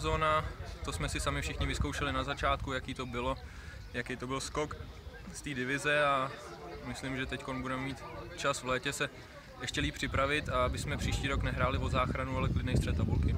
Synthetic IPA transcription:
zoːnat̪o̞smɛsɪsamɪfʃɪxɲɪvɪskowʃɛlɪnazat͡ʃaːt̪kujakiːt̪o̞bɪlo̞ | jakɛjt̪o̞bɪlsko̞k | st̪iːdɪvɪzɛa | mɪslɪmʒɛt̪ɛcko̞nbudɛmɛmiːt̪t͡ʃasvlɛːcɛsɛ | ʔɛʃcɛliːp̚pr̥ɪpɾavɪt̪aabɪsmɛpr̝̥iːʃciːɾoknɛɦɾaːlɪvo̞zaːxɾanualɛklɪdnɛjst̪r̥ɛt̪abulkɪ

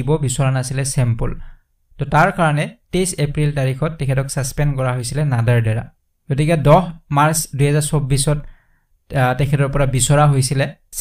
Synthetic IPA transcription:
ibɔbisɔɹanasilɛsɛmpṵl | tɔtaɹkaɹɔnɛtejsepɹiltaɹixʰɔtːɛkʰɛtɔksaspɛnkɔɹaɦojsilɛnadaɹdɛɹa̰ | ɡ̥ot̬ikɛdɔxmaɹsduɦɛzaɹsobːisɔt | tɛkʰɛtɔɹpɔɹabisɔɹaɦojsilɛ

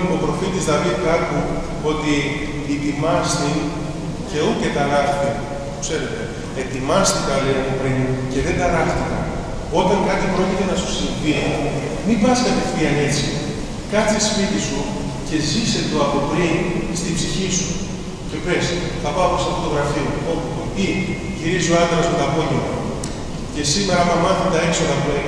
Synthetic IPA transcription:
o̞pɾo̞fit̪izðɐvikɐku | o̞t̪iː | t̪imɐst̪i | ce̞uc̪et̪ɐɾɐxθit̪e | pokse̞ɾe̞t̪e̞ | et̪imɐst̪ikɐlenɐpopɾince̞ðed̪ɐɾɐxt̪ikɐ̰ | o̞t̪ɐŋkɐt̪ipɾo̞cit̪e̞nɐsu̥sifi | mibɐskɐt̪e̞ftiɐne̞t͡si | kɐt͡sispit̪isu | ce̞zise̞t̪oɐpopɾinst̪ibsiçisu | cepe̞s | θɐpɐopost̪ɐfot̪o̞ɣɾɐfioo̞putoi | ʝiɾizioɐnd̪ɾɐzmet̪ɐpo̞ʝemo | ce̞sime̞ɾɐmɐmɐnθond̪ɐeksoɣɐpu

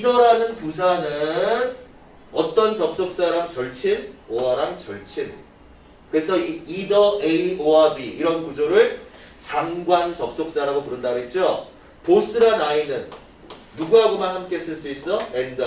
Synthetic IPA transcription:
idʌɾanɯnpus̬ʰanɯn | ʌt͈ʌnt͡ɕʌp̚s͈ok̚s͈aɾamt͡ɕʌɭt͡ɕʰinoaɾamt͡ɕʌɭt͡ɕʰin | kɯɾe̞sʰʌiidʌeioabiːɾʌnkud͡ʑoɾɯɭ | t͡ɕaŋɡwant͡ɕʌp̚s͈ok̚s͈aɾaɡopuɾɯndaɡoɦet̚t͡ɕ͈o | pos͈ɯɾanainɯnː | uɡuɦaɡomanhamk͈e̞s͈ɯɭs͈uis͈ʌend

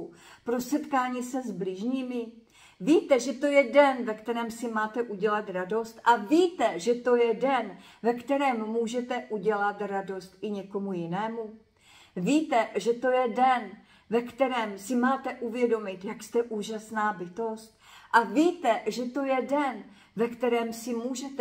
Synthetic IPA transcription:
pɾosɛt̪kaːɲiːsɛzblɪʒɲiːmɪ | viːt̪ɛʒɛt̪o̞jɛdɛnvɛkt̪ɛɾɛːmsɪmaːt̪ɛʔuɟɛlat̪ɾado̞st̪ʔaviːt̪ɛʒɛt̪o̞jɛdɛn | vɛkt̪ɛɾɛːmːuːʒɛt̪ɛʔuɟɛlat̪ɾado̞st̪ɪɲɛko̞mujɪnɛːmu | viːt̪ɛʒɛt̪o̞jɛdɛn | vɛkt̪ɛɾɛːmsɪmaːt̪ɛʔuvjɛdo̞mɪt̪jakst̪ɛʔuːʒasnaːbɪt̪o̞st̪̚ʔaviːt̪ɛʒɛt̪o̞jɛdɛn | vɛkt̪ɛɾɛːmsɪmuːʒɛt̪

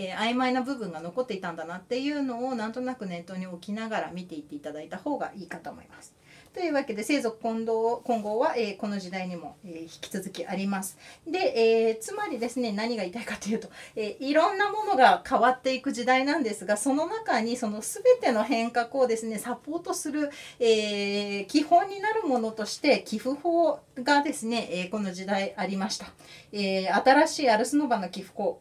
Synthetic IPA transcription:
eaimainabɯ̟bɯ̟̃ŋɡano̞ko̞t̪ːe̞it̪ãnd̪anat̪ːe̞jɯ̟ːno̞ːnãnt̪o̞nakɯ̟nẽ̞nt̪ːo̞ːɲ̟io̞kʲinaɡaɾa̰mʲit̪e̞it̪ːe̞it̪ad̪ait̪aho̞ːɡa̰ʔiːkat̪omo̞̰ḭmasɨ̥ | t̪o̞jɯ̟ːβake̞d̪e̞se̞ːzo̞kɯ̟̥kõnd̪oːkõ̞ŋɡo̞ːβaʔeːko̞no̞ʑid̪aiɲ̟imo̞eçi̥kʲi̥t͡sɨzɨkʲiʔaɾʲimasɨ̥d̪e̞ʔeːt͡sɨmaɾʲid̪e̞sɨne̞naɲ̟iɡait̪aikḁt̪o̞jɯ̟ːt̪o̞eːʔiɾõ̞nːamo̞no̞ɡakʰaβat̪ːe̞ikɯ̟ʑid̪ainãnd̪e̞sɨɡaso̞no̞nakaɲ̟iso̞no̞sɨbe̞t̪e̞no̞ɦẽ̞ŋkakɯ̟o̞d̪e̞sɨne̞sapːo̞ːt̪o̞sɨɾɯ̟eːkʲihõ̞ɲ̟ːinaɾɯ̟mo̞no̞t̪o̞ɕi̥t̪e̞kʲiɸɯ̟ho̞ːɡad̪e̞sɨne̞ʔeːko̞no̞ʑid̪aiʔaɾʲimaɕi̥t̪ḁ | eːat̪aɾaɕiːaɾɯ̟sɨno̞bano̞kʲiɸɯ̟̥ho̞ː

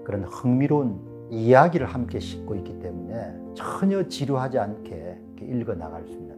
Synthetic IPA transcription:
kɯɾʌnhɯŋmiɾon | ijaɡiɾɯɭhamk͈e̞ɕʰi̥k̚k͈oik͈it͈e̞mune̞ | t͡ɕʌɲʌt͡ɕiɾuɦad͡ʑiankʰe̞ | kʰeʔiɭɡʌna̰ɡaɭs͈umida

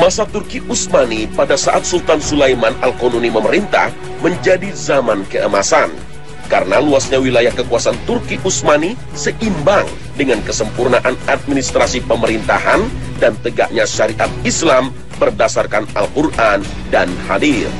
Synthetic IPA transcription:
masat̪urkiʔusmanipadasaʔat̪̚sult̪ansulajmanalkononiməməɾint̪a̰h | məɲd͡ʒadizamankəʔəmasan | kaɾənaluasɲawilajahkəkuasant̪urkiʔusmani | səʔimbaŋ | dəŋankəsəmpurnaʔanat̪̚minist̪ɾasipəməɾint̪a̰han | dant̪əɡa̰ʔɲaʃaɾiʔat̪̚islam | bərdasarkanalkurʔan | danha̰dir

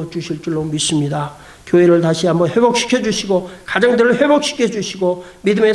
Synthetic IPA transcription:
ʌt͡ɕuɕʰiɭt͡ɕ͈uɭːomis͈ɯmɲida | kjoeɾɯɭtaɕʰiamʌhe̞bok̚ɕ͈ʰi̥kʰjʌd͡ʑuɕʰiɡokad͡ʑʌŋdɯɾɯɭhe̞bok̚ɕ͈ʰi̥kʰʌd͡ʑuɕʰiɡo | midɯme̞

